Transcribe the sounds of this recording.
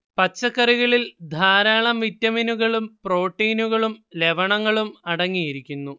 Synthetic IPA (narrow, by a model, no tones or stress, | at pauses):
pɐt͡ɕːɐkːɐriɣɐɭild̪ʱaːɾaːɳɐmʋitːɐminuɣɐɭumpro̞ːʈːiːnuɣɐɭumle̞ʋɐɳɐŋːɐɭumɐɽɐŋːijiɾikʲːunːu